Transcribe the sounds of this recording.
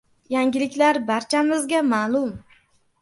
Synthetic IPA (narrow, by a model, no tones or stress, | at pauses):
jaŋɡʲɪlɪkʲlaɾbaɾt͡ʃʰamɪzɡʲamaːlˠʊm